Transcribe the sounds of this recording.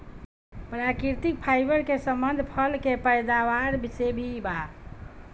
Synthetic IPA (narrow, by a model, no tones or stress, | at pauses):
pɾakiɾt̪ik̚pʰajbəɾkesəmbənd̪ʱpʰəlkepəjd̪aʋaɾbisebʱiba